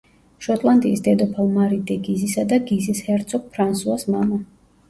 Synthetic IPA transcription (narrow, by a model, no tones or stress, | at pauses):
ʃɔt̪ʼlˠand̪ʼḭːsd̪ɛd̪ɔpʰalmaɾid̪ɛɡizisad̪aɡizishɛɾt̪sʰɔk̚pʰɾansuasmama